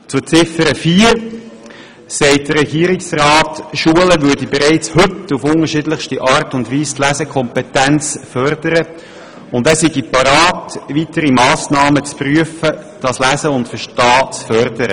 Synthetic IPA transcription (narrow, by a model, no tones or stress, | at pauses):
t͡sut͡sɪfəɾəfiːɾ | sɛɪt̚d̥əɾɛɡiːɾɪksrɑːtʃuələʋʏdibeɾɛɪt͡shɵtːufʊnəɾʃidləxʃtiʔɑːɾtʊndvʋiːstlæzəkʰɔmpetænt͡sfœɾdəɾə | ʊndæːsiɡipɑɾɑːtʋitəɾimɑːsnɑːmət͡spryəfəd̥ɑslæzəʊntfəʃtɑːt͡sfœrdəɾə̰